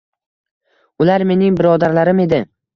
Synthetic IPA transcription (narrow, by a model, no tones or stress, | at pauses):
ʊlaɾme̞nɪŋbɪɾɒd̪aɾlaɾɪme̞d̪ɪ